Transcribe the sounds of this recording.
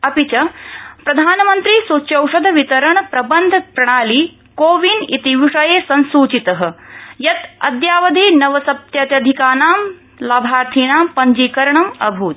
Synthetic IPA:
ɐpit͡ʃɐpɾɐd̪ʱaːnɐmɐnt̪ɾisut͡ʃjɐwʂɐd̪ʱɐʋit̪ɐɾɐɳɐpɾɐbɐnd̪ʱpɾɐɳ̃aːliː | koːʋinit̪iʋiʂɐjeːsɐnsuːt͡ʃit̪ɐɦɐ̆jɐt̪ɐ̰d̪jaːʋɐd̪ʱiːnɐʋɐsɐp̚t̪jɐt̪jɐd̪ʱikaːnaːm | laːbʱaːɾt̪ʰiɳaːmpɐɲd͡ʒiːkɐɾɐɳɐmɐ̰bʱuːt̪

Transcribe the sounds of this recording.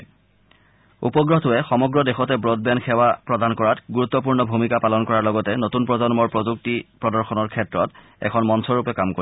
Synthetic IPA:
ṵpɔɡɹɔtʊɛxɔmɔɡɹɔdexɔtɛbɹod̚bɛnxɛwapɹɔdankɔɹatɡuɹut̪ːɔp̬uɹnɔbʱumikapalɔnkɔɹaɹlɔɡɔtɛnotunpɹɔzɔnmɔɹpɹozuk̚tipɹɔdɔɹxɔnɔɹkʰɛtɹɔt | ɛ̰kʰɔnmɔnsɔɹupɛkamko

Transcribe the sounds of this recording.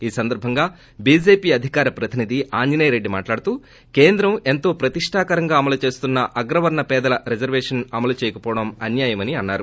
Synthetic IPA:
iːsɐnd̪ɐɾbʱɐŋɡaː | biːd͡ʒeːpiːɐd̪ʱikaːɾɐpɾɐt̪inid̪ʱiʔaːɲd͡ʒinɐjɾeɖːima̰ːʈlaːɽut̪uː | keːnd̪ɾɐme̞nt̪o̞ːpɾɐt̪iʂʈʰaːkɐɾɐŋɡaːɐmɐlut͡ʃe̞ːst̪unːɐʔɐɡɾɐʋɐɾɳɐpɛːd̪ɐlɐɾed͡ʒɐɾʋɛːʂɐnɐmɐlut͡ʃɛːjɐkɐpɔːʋɐɽɐmɐnjaːjɐmɐniɐnːaːɾu

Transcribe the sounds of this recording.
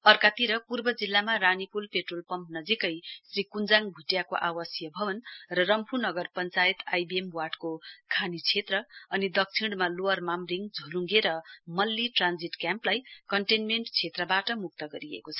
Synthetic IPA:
ʌrkat̪iɾʌpurbʌd͡zilːamaranipulpeʈrolpʌmpnʌd͡zikʌjsrikund͡zaŋbʱuʈjakoʔawʌsjʌbʱʌbʌnrʌrʌmpʰunʌɡʌrpʌnt͡sajt̪ajbiemwaʈkokʰanit͡sʰet̪rʌʌnid̪ʌk̚t͡sʰiɽmaloʌrmamriŋd͡zʱoluŋɡeɾʌmʌlːiʈrand͡ziʈkjamplajkʌɳʈenmeɳʈt͡sʰet̪rʌbaʈʌmuk̚t̪ʌɡʌɾiḛkot͡sʰʌ̥

